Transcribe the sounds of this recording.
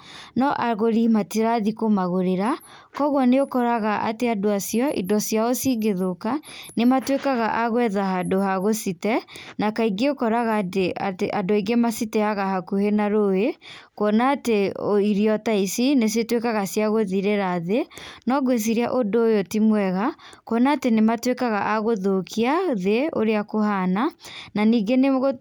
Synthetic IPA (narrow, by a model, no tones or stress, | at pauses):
nɔʔaɣoɾimatiɾaðikomaɣoɾeɾa | kɔɣwɔneokɔɾaɣaʔa̰teadoasiɔʔḭdɔsjaosiɡeðokanematwekaɣaʔaɣwɛðaɦadohaɣositɛnakaiɡeokɔɾaɣadeateʔadoiɡemasitɛaɣahakuhenaɾoekɔnaːteoiɾiɔtaisines̬jetwekaɣasjaɣoðiɾeɾaðenɔɡwes̬iɾia̰ʔodoeotimwɛɣakwɔnaːtenematwekaɣaʔaɣoðokʰiaðeo̰ɾeakohanananiːɡeneɣo